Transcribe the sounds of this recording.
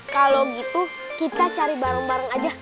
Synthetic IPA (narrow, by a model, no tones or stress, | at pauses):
kaloɡit̪u | kit̪at͡ʃaɾibaɾəŋbaɾaŋad͡ʒa